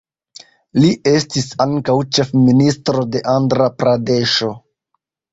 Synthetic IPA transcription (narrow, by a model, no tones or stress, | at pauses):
liʔe̞stisaŋkawt͡ʃe̞fministɾo̞de̞ʔandɾapɾade̞ʃo̞